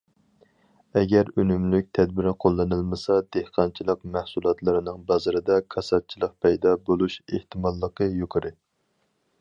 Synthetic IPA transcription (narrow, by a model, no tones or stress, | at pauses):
ɛɡʲɛɾønymlyk̚ʲt̪ʰɛd̪̚bɪɾɪqʰolˠːɨnɨlˠmɨsɑd̪̥ehqʰɑnt͡ʃʰilˠəqmæhsulˠɑt̪lˠɨɾɨnɨŋbɑzɨɾɨd̪ɑkʰɑsɑt̪̚t͡ʃʰilˠəq̚pʰɛjd̪ɑbolˠuʃeht̪ʰɨmɑlˠːəqəjokʰɨɾɨ